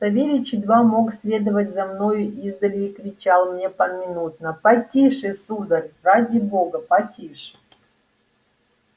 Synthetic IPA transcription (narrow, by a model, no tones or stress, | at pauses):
t̪ɐvʲeɾʲɪt͡ɕɪd̪vamo̞ksʲlʲe̞d̪əvətʲzɐmno̞jʊʔizd̪əlʲɪːkɾʲɪt͡ɕalˠmnʲe̞pɐmʲɪnut̪̚nəpɐtʲiʂɨsud̪ərʲradʲɪboɡəpɐtʲiʂɨ̥